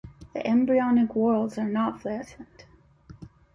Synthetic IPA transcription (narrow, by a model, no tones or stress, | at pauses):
ðḭʔɛ̃mbɹiɑnɪkwɜ˞lˠdzə˞nətflæʔn̩d̥